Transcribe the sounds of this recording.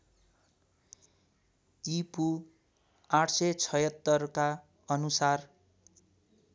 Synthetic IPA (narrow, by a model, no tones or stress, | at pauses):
t̪ipu | aʈʰset͡sʰʌjʌt̪ːʌrka | ʌnusar